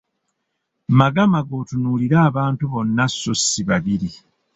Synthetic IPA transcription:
maɡamaɡo̞ːtunuːliɾaːβaːntuβo̞nːasːosːiβaβiɾi

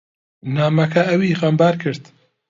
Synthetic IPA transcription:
naːmɐkʰɐɐwiɣɐmbaːɾkʰɨɾd̪

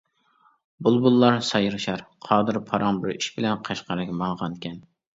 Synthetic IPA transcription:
bulˠbulˠːɑɾsɑjɨɾɨʃɑɾqʰɑːd̪ɨɾpʰɑɾɑŋbɪɾiʃbɪlɛnqʰɑʃqɑɾɨkʲmɑlˠʁɑnkʲʰɛn

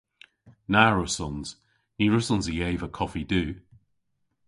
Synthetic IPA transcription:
naːɹəsɔnz̥ | niːɹəsɔnzijeːvəkʰɔfidʉː

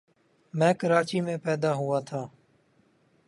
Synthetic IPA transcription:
mɛ̃ːkəɾaːt͡ʃiːmẽːpɛːd̪aːɦʊaːt̪ʰaː

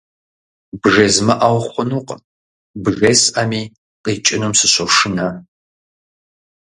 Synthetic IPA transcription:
bʒezmɐʔawχʷʊnuːqʼ | bʒesʔɐmiː | qʼiːt͡ʃʼɪnumsɨɕoʂɨnɐ

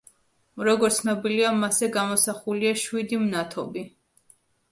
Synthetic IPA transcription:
ɾɔɡɔɾt̪sʰnɔbiliamasɛɡamɔsaχuliaʃwid̪imnat̪ʰɔbi

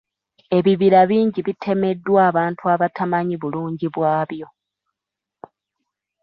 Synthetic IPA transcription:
e̞βiβiɾaβiːɲɟiβitʰe̞me̞dːwaːβaːntuaβatʰamaɲiβuluːɲɟiβwaːβjo̞

